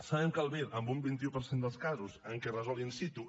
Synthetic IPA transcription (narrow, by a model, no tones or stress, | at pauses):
səβɛmkəlˠβeɾəmbumbint̪iupəɾsend̪əlˠskazuzəŋkɛrəzɔlinsit̪u